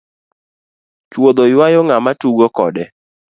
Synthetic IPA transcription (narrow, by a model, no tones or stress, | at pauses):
t͡ʃwod̪ojwajɔŋamatuɡokɔ̰dɛ